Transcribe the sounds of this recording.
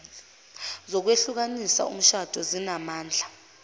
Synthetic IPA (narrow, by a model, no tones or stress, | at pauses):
zɔk̬weɬuk̬anisa̰ṵm̩ʃad̥ʱɔzinamaːnd͡ɮʱa